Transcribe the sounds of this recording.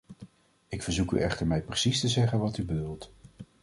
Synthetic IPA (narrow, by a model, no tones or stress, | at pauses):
ɪkfəɹzuky̰ʔɛχtəɹmɛjprəsistəzɛχənʋɑtybədulˠt